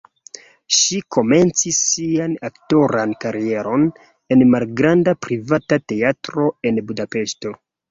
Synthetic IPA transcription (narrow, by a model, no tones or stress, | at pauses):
ʃiko̞me̞nt͡sisːianakto̞ɾankaɾie̞ɾo̞n | e̞nmalɡɾandapɾivatate̞atɾo̞e̞nbudape̞ʃto̞